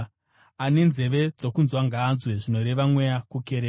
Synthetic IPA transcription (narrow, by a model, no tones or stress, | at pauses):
ane̞nze̞ʋe̞d͡zo̞kunzwaŋɡaːnzwe̞ʐino̞ɾe̞ʋamwejakukeɾeː